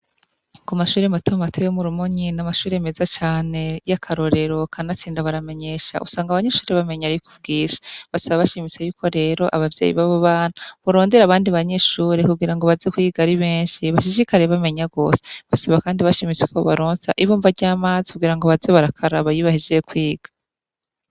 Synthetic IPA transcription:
ŋkumaʃuːɾematʰomatʰojomuɾumuɲinamaʃuːɾeemezat͡ʃaːnejakʰaɾo̞ɾe̞ɾo̞kʰanat͡siːndaβaɾame̞ɲe̞ʃa̰ʔṵsaːŋɡaβaɲe̞ʃuːɾeβame̞ɲaɾikuvɡiːʃḁβasaβaβaʃimisejuːkʰo̞ɾe̞ːɾo̞ʔaβavjeːjḭβaβoβaːn̥huβuɾo̞ːnde̞ɾaβaːndiβaɲe̞ʃuːɾekuɡiɾaŋɡo̞βazekwiːɡaɾiβeːɲʃiβaʃ̬iʃikaɾe̞βame̞ɲaɡo̞ːseβasaβakaːndiβaʃimit͡seko̞βaɾoːnsaʔiβuːɱvaɟaːmaːzi̥kubɡiːɾaŋɡo̞βazeβaɾakʰaɾaβajiβahid͡ʒeekwiːɡ̥ḁ

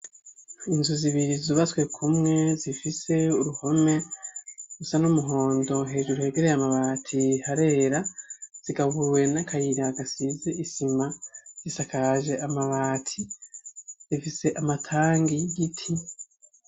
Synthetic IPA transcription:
inzuziβiɾizuβaswe̞kʰumŋe̞zifise̞uɾuho̞me̞ | ɡusanumuɦo̞ːndo̞ɦe̞ːʒuɾuhe̞ɡe̞ɾe̞jamaβaːtʰihaɾe̞ːɾaz̥iɡaβuɾwe̞nakʰajiɾaɡasizeʔisimazisakaʒe̞ʔamaβaːtʰi | zifise̞ʔamatʰaːŋɡiɡitʰi

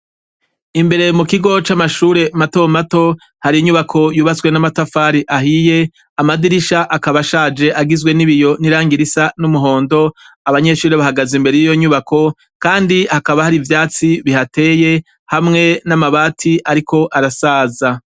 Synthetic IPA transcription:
imbe̞ɾe̞mukiɡo̞t͡ʃamaʃuːɾe̞matomato̞ | haɾijiɲuβakʰo̞juːβat͡swe̞namatafaːɾiʔaɦije̞ | amadiɾiʃaʔakaβaʃaːd͡ʒe̞ʔaɡizwe̞niβijo̞niɾaːŋɡiɾisanumuɦo̞ːndo̞ | aβaɲe̞ʃuːɾe̞βahaɡazimbeɾe̞jijo̞ɲuβakʰo̞ | kaːndihakaβahaɾivjaːt͡siβihate̞ːje̞ | hamŋe̞namaβaːtʰiʔaɾiko̞ʔaɾasaːza

